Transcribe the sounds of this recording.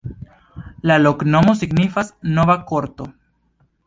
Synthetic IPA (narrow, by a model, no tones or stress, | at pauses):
laloknomosiɡnifasnoβakoɾt̪o